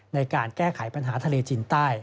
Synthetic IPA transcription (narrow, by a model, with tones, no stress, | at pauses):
na˧jkaː˧nkɛː˥˩kʰa˩˦jpa˧nɦaː˩˦t̪ʰa˧leː˧t͡ɕiː˧nt̪aː˥˩j